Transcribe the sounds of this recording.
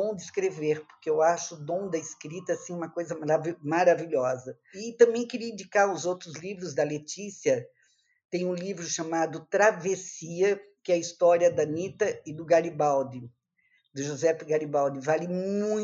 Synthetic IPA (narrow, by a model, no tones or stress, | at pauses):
õw̃d̪ɪskɾeveɾpʊ̥ɾkeewaʃʊd̪õw̃d̪ɐɪskɾit̪ɐasĩũmɐkojzɐmɾavmaɾaviʎɔzɐ | ɪt̪ɐ̃mbẽj̃kɪɾiɐĩnd͡ʒikaɾʊzowt̪ɾʊzlivɾʊzd̪ɐlet͡ʃisiɐ | t̪ẽj̃ũlivɾʊʃamad̪ʊt̪ɾavesiɐkɪɛɐist̪ɔɾiɐd̪ɐnit̪ɐɪd̪ʊɡaɾibawd̪ɪ | d̪ʊʒozɛfɪɡaɾibawd̪ɪvalɪmũ